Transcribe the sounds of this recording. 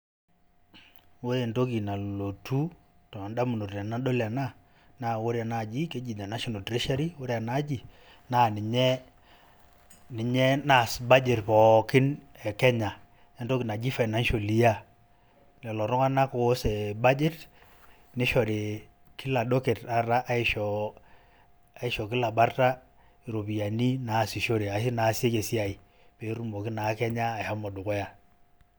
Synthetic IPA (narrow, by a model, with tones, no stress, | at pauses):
wo˦e˨nto˦k̬i˨na˨lo˨tu˦ | tɔ˨a˨nda˦mu˨no˨ta˨na˦ɗo˦la˨na˦ | na˦wo˦ɾa˨na˨d͡ʒi˦ke˦d͡ʒi˨da˨na˦ʃo˨no˨tɾe˦ʃa˦ɾi˦wo˦ɾja˨na˦d͡ʒi˨ | na˦nɪ˨ɲɛ˦ | nɪ˨ɲɛ˦na˨sba˦d͡ʒe˨tpɔ˨kɪ˦n | ɛ˨kɛ˦ɲa˨ | e˦nto˦ki˨na˨d͡ʒi˦fa˨ɪna˦nʃo˨li˦ja˦ | nɛ˨lɔ˨ɾʊ˦ŋa˦na˦ko˨˦se˨ba˦d͡ʒi˦t | ni˦ʃo˨ɾe˨ | ki˦la˨do˦ke˨ta˨ɾa˦ʔa˦i˦ʃɔ˨ | a˨i˦ʃɔ˨k̬i˦la˨ba˦rta˦ | i˨ɾo˨pi˨ja˨ni˦na˨si˨ʃo˦ɾe˨a˨si˦na˨˦se˦ke˨si˦a˨i˨ | pe˨˦ɾu˦mo˨ki˦na˨˦kɛ˦ɲaː˦˨ha˦mɔ˨dʊ˨kɔ˦ja˨